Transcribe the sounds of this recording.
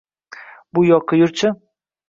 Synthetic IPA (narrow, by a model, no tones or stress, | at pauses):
bʊjɒqʰːɨjʊɾt͡ʃʰɪ